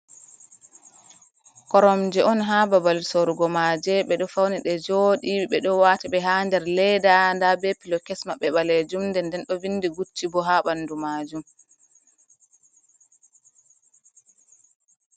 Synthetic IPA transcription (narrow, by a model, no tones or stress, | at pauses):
kɔɾɔmd͡ʒɛʔɔnɦababalsoɾuɡɔmad͡ʒɛɓɛɗɔfawniɗɛd͡ʒoːɗiɓɛɗɔwaːtiɓɛɦandɛɾlɛdandabɛpilɔkɛsmaɓɛɓaled͡ʒumndɛndɛnɗɔvinːdiɡut͡ʃːibɔɦaɓanːdumad͡ʒum